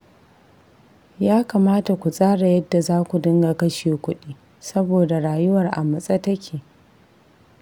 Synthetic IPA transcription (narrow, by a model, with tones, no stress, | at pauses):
jaː˦kaː˨maː˦ta˨kʷu˨sʼaː˦ɽa˨jɐ˦dːa˨zaː˦kʷu˨dɪ˦ŋɡa˨kɐ˦ʃeː˨kʷʊ˦ɗiː˦ | sɐ˦boː˨da˨ɽaː˨jʊ˦wɐ˨rʔa̰˨mɐ˨sʼɐ˦tɐ˦kʲʰeː˨